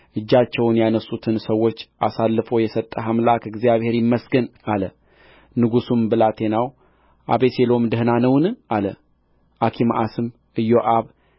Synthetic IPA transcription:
ʔɨd͡ʒːat͡ʃːɛwnjanəsːut̪ʰɨnsəwːot͡ʃːʔasalːɨfo̞jɛsət̪ʼːəɦamlakɨɡzijaβhe̞ɾjɪmːəsɡənalə | nɨɡusumbɨlat̪ʰe̞naw | ʔa̰βe̞selo̞md̪əhɨnanəwnʔalə | ʔakʰimʔasɨm | ɨjo̞ʔaβ

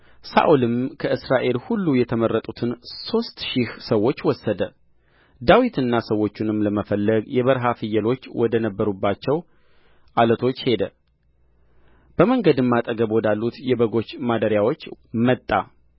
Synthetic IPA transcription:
sa̰ʔulɨmkʰəʔɨsɾaʔe̞lhulːujɛt̪ʰəmərːət̪ʼut̪ʰɨnso̞st̪ʃɪhsəwːo̞t͡ʃːwɔsːəd̪ə | d̪awit̪ʰɨnːasəwːo̞t͡ʃːunɨmləməfəlːəɡjɛβəɾɦafɨjːɛlo̞t͡ʃːwɔd̪ənəbːəɾubːat͡ʃːɛw | ʔalət̪ʰo̞t͡ʃːhe̞d̪ə | b̥əməŋɡəd̪ɨmːat̪ʼəɡəbwɔd̪alːut̪jɛbəɡo̞t͡ʃːmad̪əɾjawo̞t͡ʃːmət̪ʼːa̰

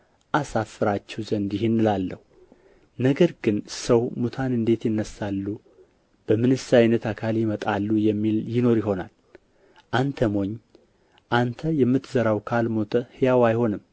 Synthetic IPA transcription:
ʔasafːɨɾat͡ʃːɛwzənd̪jɪhenːɨlalːəhu | nəɡəɾɡɨnsəwmut̪ʰanɨnd̪e̞t̪jɪnːəsːalːu | b̥əmɨnɨsajnət̪akʰaljɪmət̪ʼalːujɛmːiljɪno̞ɾjɪɦo̞na̰l | ʔant̪ʰəmo̞ɲː | ʔant̪ʰəjɛmːɨt̪ʰzəɾawkʰalmo̞t̪ʰəhɨjawajho̞nɨm

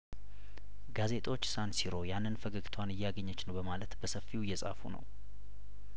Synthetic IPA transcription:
ɡaze̞t̪ʼo̞t͡ʃːsansiɾo̞janːɨnfəɡɨɡt̪ʰwanɨjɛaɡəɲːət͡ʃːnəwbəmalət̪bəsəfːiwjːɛsʼa̰fṵnə̰w

